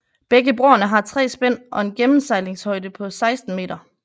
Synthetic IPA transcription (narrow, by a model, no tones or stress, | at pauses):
b̥eɡ̥əb̥ʁoɐnəɦɑ̈t͡sʰʁɛ̰ːsb̥en̰ʔɒ̽e̝nɡ̥emm̩sɑ̈ɪle̝ŋshɒ̽ɪ̰d̥əpʰɒ̽sɑ̈ɪsd̥n̩me̝̰ːd̥ɐ